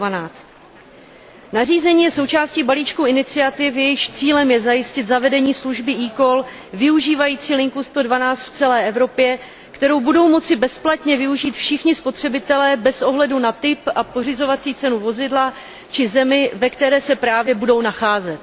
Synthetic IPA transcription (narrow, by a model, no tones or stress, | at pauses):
anaːt͡st̪ | nariːzɛɲiːjɛso̞wt͡ʃaːsciːbaliːt͡ʃkuɪnɪt͡sɪat̪ɪfjɛjɪʃt͡siːlɛmjɛzajɪscɪt̪zavɛdɛɲiːsluʒbɪʔiːko̞l | vɪuʒiːvajiːt͡siːlɪŋkust̪o̞dvanaːt͡st̪ft͡sɛlɛːʔɛvɾo̞pjɛ | kt̪ɛɾo̞wbudo̞wmo̞t͡sɪbɛsplat̪ɲɛvɪuʒiːt̪fʃɪxɲɪspo̞t̪r̝̥ɛbɪt̪ɛlɛːbɛsʔo̞ɦlɛdunat̪ɪpʔapo̞r̝ɪzo̞vat͡siːt͡sɛnuvo̞zɪdla | t͡ʃɪzɛmɪvɛkt̪ɛɾɛːsɛpɾaːvjɛbudo̞wnaxaːzɛt̪̚